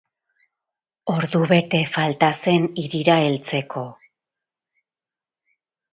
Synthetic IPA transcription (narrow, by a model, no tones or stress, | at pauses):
o̞ɾðuβe̞t̪e̞falt̪ase̞niɾiɾaelt͡se̞kʰo̞